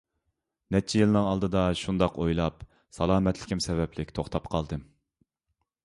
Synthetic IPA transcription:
nɛt͡ʃʰɛjilˠnɨŋɑlˠd̪ɨd̪ɑʃund̪ɑqojlˠɑp | sɑlˠɑːmɛt̪ʰlɪ̥kʲimsɛvɛplɪkʲt̪ʰoχt̪ʰɑpqʰɑlˠd̪ɨ

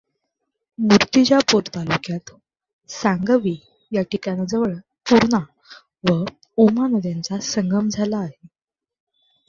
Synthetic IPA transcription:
muɾt̪id͡ʑjapoɾt̪alukjat̪ | saŋɡəʋi | jaʈikanad͡zəʋəɭ | puɾɳa | ʋə | omanəd̪jant͡sasəŋɡəmd͡zʱalaːɦe

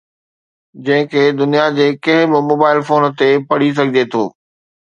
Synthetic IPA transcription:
d͡ʑɐ̃ɦɪ̃kʰeːd̪ʊnijad͡ʑeːkɐ̃ɦɪ̃bɪmoːbaːɪlfoːnt̪epɐɽ̤is̬ɐɡʱɪd͡ʑet̪ʰo̰ː

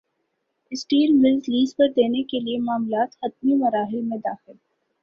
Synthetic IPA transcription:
ɪsʈiːlmɪlzliːzpɐɾd̪eːnekeliemaːmlaːt̪hɐt̪̚mimɐɾaːɦɪlmẽd̪aːxɪl

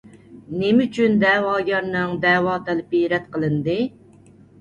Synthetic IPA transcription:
nemyt͡ʃʰynd̪ɛwɑːɡʲɑɾnɨŋd̪ɛːwɑːt̪ɛlɪpiɾɛt̪qʰəlˠɨnd̪ɨ

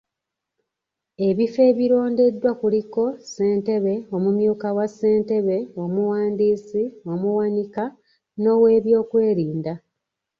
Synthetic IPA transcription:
e̞βife̞ːβiɾo̞ːnde̞dːwakuliko̞se̞ːnte̞βe̞o̞mumjuːkawasːe̞ːnte̞βe̞o̞muwaːndiːsio̞muwanika | no̞we̞ːβjo̞ːkwe̞ːɾiːnda

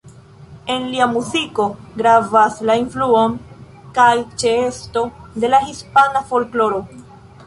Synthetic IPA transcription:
e̞nliamuziko̞ɡɾavaslainfluon | kajt͡ʃe̞e̞sto̞de̞lahispanafo̞lklo̞ɾo̞

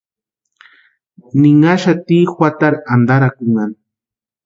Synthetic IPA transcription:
nɪŋaʃat̪iːxwat̪aɾand̪aɾakuŋan

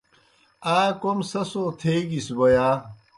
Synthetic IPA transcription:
aːkomsɐsoːt̪ʰeːɡisbɐjaː

